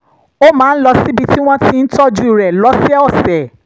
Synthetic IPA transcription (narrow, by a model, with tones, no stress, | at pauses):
o˦mãː˨˦n̩˦lɔ˧si˦bi˧ti˦w̃ɔ̃˦ti˧n̩˦tɔ˦d͡ʒu˦i˨ɾɛ˨lɔ˨˦sɛ˦ɔ˦˨sɛ˨